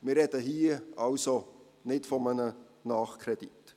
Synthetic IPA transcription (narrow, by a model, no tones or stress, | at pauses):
mɪrɾɛdəɦiːəʔɑlso | nɪtfɔmənə | nɑːχkʰredit